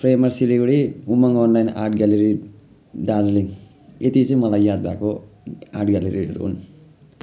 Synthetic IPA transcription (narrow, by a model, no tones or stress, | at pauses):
pʰremʌrsiliɡɽiumʌŋɔnlajna̰rʈʰɡaleɾi | ɖad͡zliŋ | et̪it͡sʌ̃ĩmʌlajːad̪̚bʱakoaʈɡaleɾḭʌ̰ɾṵɦṵn